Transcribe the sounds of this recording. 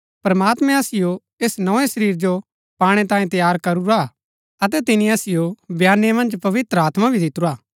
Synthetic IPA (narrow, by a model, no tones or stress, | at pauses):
pɾɐmaːt̪mɛ̃ɐsɪjo | eːsnɔ̃ẽsɐɾiːɾd͡ʒo | paːɽ̃ẽt̪ãːẽt̪ɐjaːɾkɐɾuɾa | ɐt̪̬ɛt̪ɪnĩɐsɪjobʱjaːnemɐ̃nd͡ʒpɐʋɪt̪ɾəaːt̪mabʱid̪ɪt̪ːuɾaː